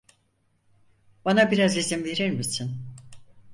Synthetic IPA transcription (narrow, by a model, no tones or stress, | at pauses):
b̥anabiɾazizimve̞ɾiɾmisin